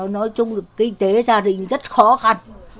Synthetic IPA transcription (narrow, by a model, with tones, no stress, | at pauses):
nɔ˨˦jt͡ɕʊ˧wŋ͡mɗɨ˨˩əkːï˧ŋ̟t̪e˨˦zaː˧ɗï˧˨ŋ̟zə˦˥t̚xɔ˨˦xa˧n